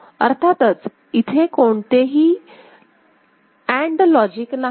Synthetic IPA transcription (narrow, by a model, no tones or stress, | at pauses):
əɾt̪ʰat̪ət͡s | it̪ʰekoɳt̪eɦiː | æ̃ɳɖlɔd͡ʑikna